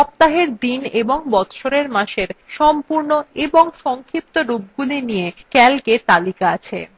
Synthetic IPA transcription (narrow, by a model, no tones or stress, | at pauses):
ʃɔp̚t̪aɦeɾd̪ineboŋbɔt̪ʃoɾeɾmaʃeɾʃɔmpuɾnoeboŋʃɔŋkʰip̚t̪oɾup̚ɡulinijekɛlket̪alikaat͡ɕʰḛ